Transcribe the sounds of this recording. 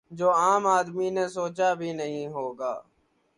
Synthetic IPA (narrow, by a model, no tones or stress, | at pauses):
d͡ʒoːaːmaːd̪miːnẽːsoːt͡ʃaːbʱiːnəɦĩːɦoːɡaː